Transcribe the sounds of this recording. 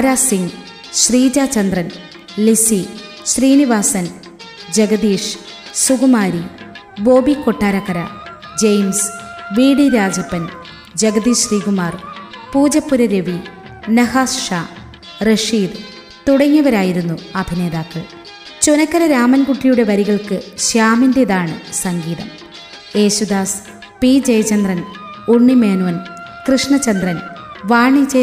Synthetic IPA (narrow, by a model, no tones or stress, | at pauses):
aɾaːsiŋɡ | ɕriːd͡ʑaːt͡ɕɐnd̪rɐn | lisi | ɕriːniʋaːsɐn | d͡ʑɐɡɐd̪iːʂ | suɡumaːɾi | bo̞ːbikoʈːaːɾɐkːɐɾɐ̰ | d͡ʑejmsʋiːɽiɾaːd͡ʑɐpːɐn | d͡ʑɐɡɐd̪iːʂriːɡumaːrpuːd͡ʑɐpːuɾɐɾeʋi | nɐhaːsʂaː | reʂiːd̪ | t̪uɽɐŋːɐʋɐɾaːjiɾunːuɐbʱine̞ːðaːkːɨ | t͡ɕunɐkːɐɾɐɾaːmɐnkuʈːijuɽe̞ʋɐɾiɣɐɭkɨɕjaːmindeðaːɳɨsɐŋɡiːðɐm | e̞ːɕud̪aːs | piːd͡ʑɐjɐt͡ɕɐnd̪rɐn | uɳːimeːnuʋɐn | krɨʂɳɐt͡ɕːɐnd̪rɐnʋaːɳit͡ɕe